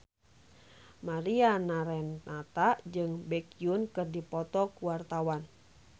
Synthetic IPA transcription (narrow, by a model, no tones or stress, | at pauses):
maɾianaɾɛnːat̪aʔd͡ʒɨŋbɛkiunkɨrdipɔt̪ɔkuwart̪awan